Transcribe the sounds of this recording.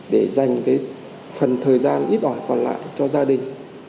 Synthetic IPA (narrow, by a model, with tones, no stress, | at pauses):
ɗe˧˩za˨˩jŋ̟kaː˨˦j | fə˨˩nt̪ʰəː˨˩jzaː˧nʔi˦˥t̚ʔɔ˧˩jkɔ˨˩nla̰ː˧˨jt͡ɕɔ˧zaː˧ɗï˨˩ŋ̟